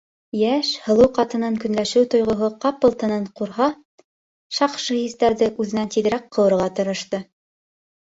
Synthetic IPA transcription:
jæʃhɤ̆lˠɤwqɑt̪ɤ̆nɤŋkɵ̆nlæʃɘwt̪ŏjʁŏɦoqɑp̚ɤ̆lˠt̪ɤ̆nɤɴquɾɦɑ | ʃɑqʃɤhist̪æɾðɘʔʉðɘ̆nænt̪iðɘ̆ɾæqʰːɤ̆wɤ̆ɾʁɑt̪ŏɾŏʃt̪ɤ

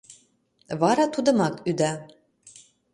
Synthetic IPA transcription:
βɑɾɑt̪ud̪ɤ̆mɑkyd̪æ

